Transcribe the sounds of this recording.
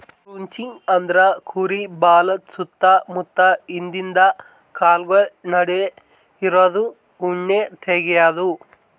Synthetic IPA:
ɾuɲt͡ʃiŋɡɐnd̪ɾɐkʰuːɾibaːlɐt̪sut̪ːɐmut̪ːɐind̪ind̪ɐ | kaːlɡɐɭnɐɽe | iɾoːd̪u | uɳːet̪ʰeːɡɛjaːd̪u

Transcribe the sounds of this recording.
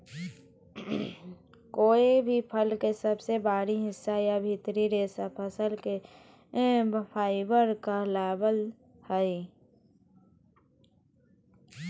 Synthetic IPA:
koːibʱipʰəlkesəbsebaːɾiɦɪsːajabʱɪt̪ɾiɾeːsapʰəsəlke | pʰaːɪbəɾkalaːbəl | hɛi

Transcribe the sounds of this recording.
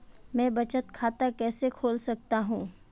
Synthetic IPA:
mɛ̃ːbɐt͡ʃət̪̚kʰaːt̪akɛːsekʰoːlsɐk̚t̪aɦũː

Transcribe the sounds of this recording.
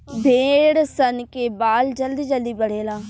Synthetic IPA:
bʱeːɽsənkeːbaːld͡ʒəld̪iːd͡ʒəld̪iːbəɽeːlaː

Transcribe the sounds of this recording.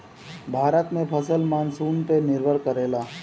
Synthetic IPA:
bʱaːɾət̪mẽpʰəsəlmaːnsuːnp̪enɪɾbʱəɾkəɾeːlaː

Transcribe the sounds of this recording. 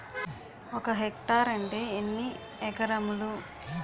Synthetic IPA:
ɔkɐɦekʈaːɾɐɳʈe̞ːenːi | ɛkɐɾɐmulu

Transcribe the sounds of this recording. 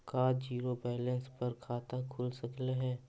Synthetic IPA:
kaːd͡ʒiːɾobɛːlə̃nspɐɾkʰaːt̪akʰʊlsɐklaɦɛː

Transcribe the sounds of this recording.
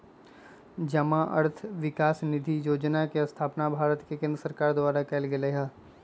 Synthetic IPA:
d͡ʒɐmãʔɐ̰ɾt̪ʰʋɪkaːsnɪd̪ʱijoːd͡ʒnakeɐst̪ʰaːpnabʱaːɾət̪kekɪ̃nd̪ɾəsəɾkaːɾd̪waːɾakɛːlɡeleɦaː

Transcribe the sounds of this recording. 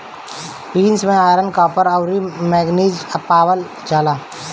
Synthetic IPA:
piːnsmẽaːɾənkaːpəɾəwɾimɛːɡniːd͡ʒəpaːwəl | d͡ʒaːlaː

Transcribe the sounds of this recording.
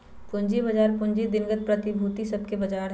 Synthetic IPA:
pʊ̃ɲd͡ʒibɐd͡ʒaːɾpʊ̃ɲd͡ʒid̪ɪnɡət̪̚pɾɐt̪ibʱuːt̪isɐb̚ʱkebɐd͡ʒaːɾ

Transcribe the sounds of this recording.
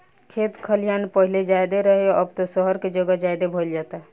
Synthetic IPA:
kʰet̪kʰəlijanpəɦiled͡ʒajd̪eɾəɦeʔəbt̪ɔsəɦəɾked͡ʒəɡəd͡ʒajd̪ebʱold͡ʒat̪a

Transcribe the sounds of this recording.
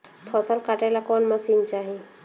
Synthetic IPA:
pʰɔsəlkaʈelakɔnmasint͡ʃaɦĩ

